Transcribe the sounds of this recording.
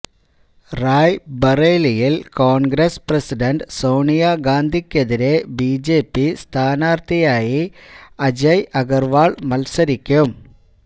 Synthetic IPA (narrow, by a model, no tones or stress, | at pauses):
raːjbɐreːlijilkoːnɡɾesprɐsiɖɐɳɖsoːnijaːɡaːnd̪ʱikʲːeðiɾebiːd͡ʑeːpːist̪ʰaːnaːrt̪ijaːjiɐd͡ʑɐjʔɐɣɐrʋaːɭmɐlsɐɾikʲːum